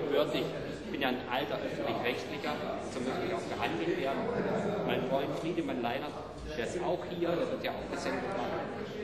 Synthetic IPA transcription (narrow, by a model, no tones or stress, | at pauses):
v̥œɐtɪç | ɪçb̥ɪnjaːnʔaltɐʔœfn̩tlɪçʁ̥ɛçtlɪçɐ | z̥omøklɪçaʊxb̥əhandl̩tv̥eːɐdn̩ʰnmaɪnfʁ̥ɔʏntfʁiːdəmaɪnlaɪnɐt | d̥eːɐɪstʔaʊxhiːɐdeːɐvɪɐtjaa̰ʊfɡ̥əzɛndətv̥aɐn̩